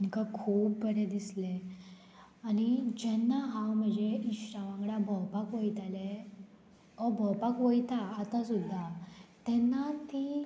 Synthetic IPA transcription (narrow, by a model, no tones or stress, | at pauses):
iŋkakʰuːp̚bəɾed̪isle | anid͡ʑɛnːaɦãwm̤əd͡ʑeiɕɾaʋãŋɡɽabʱəwpakʋəjt̪ale | obʱəwpakʋəjt̪aːt̪asud̪ʱːat̪ɛnːat̪i